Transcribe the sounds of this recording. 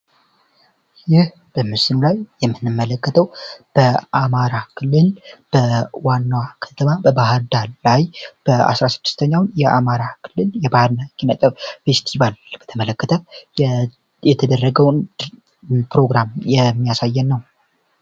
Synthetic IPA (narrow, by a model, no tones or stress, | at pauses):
jɪh | b̥əmɨsɨnulajjɛmːɨnːɨmːələkːət̪ʰəwb̥əʔamaɾakʰɨlːɨlb̥əwanːwakʰə̥t̪ʰəβabəbaɦɾd̪allajb̥əa̰sɾasɨd̪ːɨst̪ʰəɲːawnjɛʔamaɾakʰɨlːɨljɛbahɾnakʰinət̪ʼəfe̞st̪ʰiβalb̥ət̪ʰəmələkːət̪ʰə | jɛt̪ʰəd̪ərːəɡəwn | pɾo̞ɡɾamjɛmːijasajːɛnːəw